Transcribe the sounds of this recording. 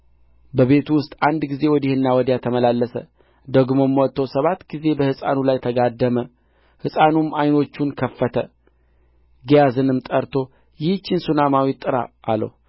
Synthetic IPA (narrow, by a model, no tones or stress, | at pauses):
bəβe̞t̪ʰuwʊst̪ʼand̪ɡize̞wɔd̪ihɨnːawɔd̪jat̪ʰəməlalːəsə̰ | d̪əɡmo̞mːwɔt̪ʰːosəβat̪ːɡize̞bəhɨsʼa̰nulajt̪ʰəɡad̪ːəmə | hɨsʼanumajno̞t͡ʃːunkʰəfːət̪ʰə | ɡijazɨnɨmt̪ʼəɾt̪ʰo̞ | jɪht͡ʃːɪnsunamawit̪ʼːɨɾa̰ːlə̰w